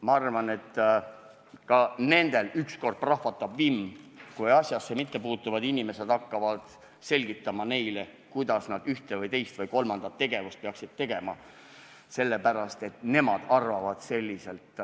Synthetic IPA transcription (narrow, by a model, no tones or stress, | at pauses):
mɑɑrvɑne̞t̪ː | kɑne̞nd̪̥e̞lyksko̞rd̪̥̚prɑhvɑt̪ːˑɑbvimkujɑsʲjɑsːemit̪ːe̞puːt̪ːˑuvɑd̪inʲime̞se̞d̪̥ɑkːɑvɑd̪̥ | se̞lʲɡit̪ːˑɑmɑne̞jle | kujd̪̥ɑsnɑd̪yht̪evɤjt̪e̞jst̪vɤjko̞lmɑnd̪̥ɑt̪ːe̞ɡ̥e̞vust̪̚peɑksid̪̥̚t̪ːe̞ɡ̥e̞mɑ̰ | se̞lːepæɾɑst̪e̞t̪ne̞mɑd̪̥ɑrvɑvɑd̪̥se̞lʲːise̞lt̪